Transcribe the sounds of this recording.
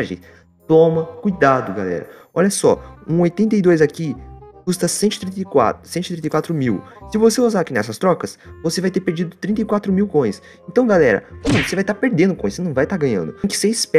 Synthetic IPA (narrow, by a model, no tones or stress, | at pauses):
ʒḛ̃j̃ | t̪õmɐkujd̪ad̪ʊɡa̰lɛ̰ɾɐ̰ | ɔ̰ʎɐsɔ̰ũojt̪ẽnt̪̬ɐjd̪ojzakikust̪ɐsẽnt͡ʃ̪ɪ̥t̪ɾĩt̪ɐjka̰sẽnʊt̪ɾĩt̪ejkwat̪ɾʊmiwsɪvoseozaɾakinɛsɐst̪ɾɔkɐsvosevajt̪eɾpeɾd͡ʒid̪ʊt̪ɾĩnt̪ɐjkwat̪ɾʊmiwkõj̃s | ẽnt̪ɐ̃w̃ɡalɛɾɐ̰ɐ̃vosevajt̪aɾpeɾd̪ẽnd̪ʊkõj̃senɐ̃w̃vajt̪aɾɡɐ̃ɲɐ̰̃nd̪ʊ̃kɪ̥seispɛ